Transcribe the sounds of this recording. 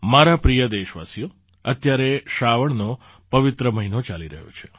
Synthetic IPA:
maɾapɾijəd̪eʃʋa̰sijo | ət̪jaɾeʃaʋəɳno | pəʋɪt̪ɾəməɦinot͡ʃaliɾəɦjo̰t͡ʃʰe̥

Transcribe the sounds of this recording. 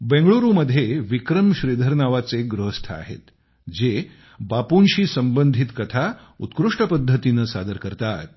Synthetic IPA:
bẽŋɡɭoɾuməd̪ʱːjeʋikɾəmɕɾid̪ʱəɾnaʋat͡seɡɾuɦəst̪ʰa̰a̰ɦḛt̪ | d͡ze | bapunɕiːsəmbənd̪ʱit̪kət̪ʰa | ṵt̪kɾuʂʈəpəd̪ʱːət̪inəsad̪əɾkəɾt̪at̪̚

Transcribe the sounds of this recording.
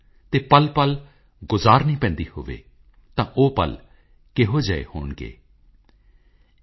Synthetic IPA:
t̪eːpəlpəl | ɡʊzaːɾnĩːpɛ̃ːnd̪iːho̰ːʋḛː | t̪ãːʔoːpə̰l | keɦoːd͡ʒəḛːhoːɳɡḛː

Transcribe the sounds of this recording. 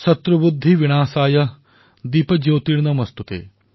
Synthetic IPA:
sɐt̪ɾɐbud̪ʱːiʋiɽ̃aːsaːjɐ | d̪iːpɐd͡ʒoːt̪iɽnɐmɐst̪ut̪ḛː

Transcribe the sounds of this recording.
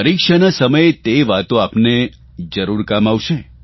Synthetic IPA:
əɾikʃanasəməjt̪eʋat̪õapne | d͡ʒəɾuɾkamaʋʃe

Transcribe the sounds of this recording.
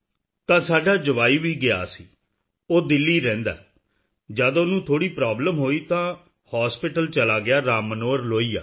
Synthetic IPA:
t̪ãːsaːɖaːd͡ʒəʋaːiːʋiːɡɪa̰ːsḭː | oːd̪ɪlːiːɾɛ̃ːnd̪a̰ː | d͡ʒaːd̪õːnũːt̪ʰoːɽiːpɾaːbləmɦoːiːt̪ãː | haːspɪʈəlt͡ʃəlaːɡɪjaːɾaːmənoːəɾloːiːa̰ː

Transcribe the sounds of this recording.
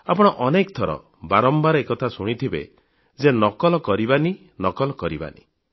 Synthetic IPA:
apɔɽ̃ɔʔɔnek̚t̪ʰɔɾɔ̰ | baɾɔmbaɾɔekɔt̪ʰasuɽ̃it̪ʰibḛ | d͡ʒenɔkɔlɔkɔɾibani | nɔkɔlɔkɔɾiba̰nḭ

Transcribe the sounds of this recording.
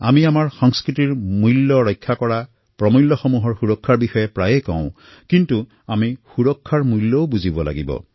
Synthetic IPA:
a̰miamaɹxɔŋskɹitiɹmulːɔɹɔjkʰːakɔɹa | pɹɔmulːɔxɔmuɦɔɹxuɹɔkʰːaɹbixɔjɛpɹajɛkɔ̰̃ʊ̃ | kintu | amixuɹɔkʰːaɹmulːɔʊbuzibɔla̰ɡibɔ̰

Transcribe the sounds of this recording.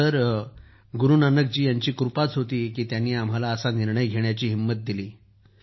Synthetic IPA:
əɾ | ɡuɾuːnanək̚d͡ʑiːjaɲt͡ɕiːkɾupat͡sɦot̪iːkiːt̪janːiːam̤alaəsaniɾɳəjɡʱeɳ̃jat͡ɕiːɦimːət̪̚d̪iliː

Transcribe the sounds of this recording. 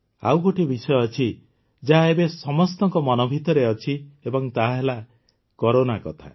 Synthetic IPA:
a̰wɡoʈibisɔjɔːt͡ʃʰi | d͡ʒaɦaebesɔmɔst̪ɔŋkɔmɔnɔbʱit̪ɔɾeɔt͡ʃʰiebɔŋt̪aɦɦela | kɔɾonakɔt̪ʰa̰

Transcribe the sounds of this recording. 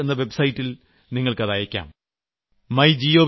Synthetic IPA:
enːɐʋe̞bsɐjitːil | niŋːɐɭkɐðajɐkʲːa̰ːm | mɐjd͡ʑio̞ː

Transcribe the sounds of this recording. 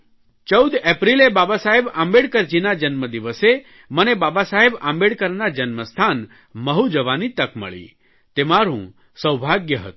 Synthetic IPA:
t͡ʃəwd̪epɾilebabasaɦebã̰mbeɽkəɾd͡ʒinad͡ʒənməd̪iʋəse | mənebabasaɦebã̰mbeɽkəɾnad͡ʒənməst̪ʰan | məɦud͡ʒəʋanit̪əkmə̰ɭḭ | t̪emaɾṵ̃ | səwbʱaɡjəɦət̪u

